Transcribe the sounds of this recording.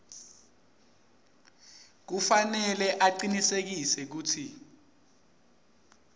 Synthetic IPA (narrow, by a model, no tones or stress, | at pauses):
k̬ufanɛlɛʔaǃinisek̬isɛk̬uːtʰi